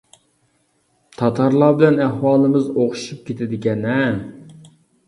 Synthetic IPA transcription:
t̪ʰɑt̪ʰɑɾlˠɑːbɪlɛnæhwɑːlˠɨmɨzoqʰʊ̥ʃup̚kʲet̪ʰɪd̪ɪɡʲɛnɛ

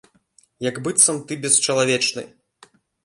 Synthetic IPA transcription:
jɐɡbɨt̪sɐmt̪ɨbʲɛst͡ʂɐlˠavʲɛt͡ʂnɨ̰

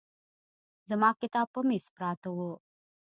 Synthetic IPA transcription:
zəmaːkit̪aːpːəmispɾaːt̪əwo

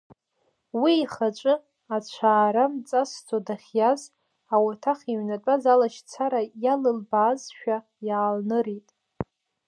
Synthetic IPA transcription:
wiːχat͡ʃʷʼɨ | at͡ɕʷʰaːɾamt͡sʼast͡sʰodaχʲjaz | awatʰaχʲiɥnat͡pʷʼazalaʃt͡sʰaɾajalɨlbaːzʃᶣa | jaːlnɨɾitʼ

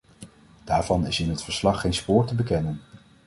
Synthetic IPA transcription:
d̥aːɹvɑnɪsɪnɦətfəɹslɑχːejnspʊːɹtəbəkɛnən

